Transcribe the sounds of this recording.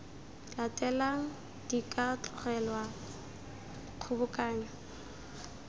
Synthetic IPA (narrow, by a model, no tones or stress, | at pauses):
latʼɛlaŋ̩ | d̥ikʼatʰʼʊrɛlwa | q͡χʰʊbʊkʼaːɲa